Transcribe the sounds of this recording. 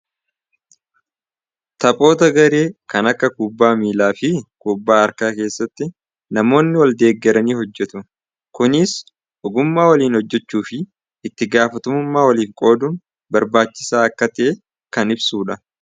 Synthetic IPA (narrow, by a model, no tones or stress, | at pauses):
t̪ɐpʼo̞ːt̪ɐɡɐɾe̞ːkɐnɐkːɐkuːbːaːmiːlaːfɪkuːbːaːɐɾkaːke̞ːsːɐt̪ːɪ | nɐmo̞ːnːɪwɐld̪e̞ːɡːɛɾɐniːhɔd͡ʒːɛt̪ʊ | kʊnɪs | ɔɡʊmːaːwɐliːnhɔd͡ʒːɛt͡ʃːuːfɪː | t̪ːɪɡaːfɐt̪ʊmʊmːaːwɐliːfkʼo̞ːd̪uːn | bɐɾbaːt͡ʃːɪ̥saːɐkːɐt̪ɪʔe | kɐnɪbsuːᶑɐ